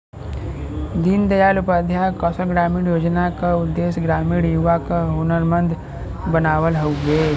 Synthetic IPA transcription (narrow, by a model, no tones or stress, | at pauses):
d̪ind̪əjaːlʊpad̪ʱjakɔːsəlɡɾaːmiːɽjoːd͡ʒnakaʊd̪ːeːsɡɾaːmiːɽjuʋakaɦonəɾmə̃nd̪ | bənaːwəlɦouɡeː